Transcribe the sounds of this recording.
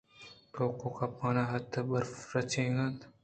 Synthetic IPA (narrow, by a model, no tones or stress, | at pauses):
ʈoːkõːkaːpaːnaːɦɐt̪ʰːbɐɾfɾɐt͡ʃʰẽːɡant̪